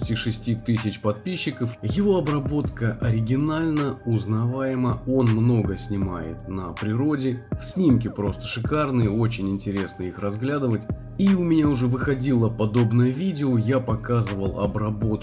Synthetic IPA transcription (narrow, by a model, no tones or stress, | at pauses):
tʲiʂɨsʲtʲit̪ɨsʲɪt͡ɕpɐt̪̚pʲiɕːɪkəfjɪvo̞ɐbrɐbo̞t̪kəʔɐɾʲɪɡʲɪnalʲnəʊznɐvajɪməo̞nmno̞ɡəsʲnʲɪma̰jɪ̰t̪̚nəpɾʲɪɾo̞dʲɪfsʲnʲimkʲɪpɾo̞st̪ə̥ʂɨkarnɨjəo̞t͡ɕɪnʲɪnʲtʲɪɾʲe̞snəixrɐzɡlʲad̪ɨvətʲ | iʊmʲɪnʲaʊʐɛvɨxɐdʲilˠəpɐd̪o̞bnəjəvʲidʲɪojapɐkazɨvəlˠɐ̰bɾɐbo̞t̪